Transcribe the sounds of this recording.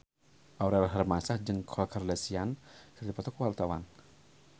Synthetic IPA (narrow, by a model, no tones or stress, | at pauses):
ʔawɾɛlɦarmasahd͡ʒɨŋkʰɔkʰardasiankʰərd̪ipat̪ɔkuwalt̪awan